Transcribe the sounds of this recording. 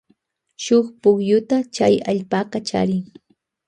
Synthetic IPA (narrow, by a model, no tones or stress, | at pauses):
ʃoχpʊχjʊt̪at͡ʃajaʎpaːqɑt͡ʃa̰ɾɪŋ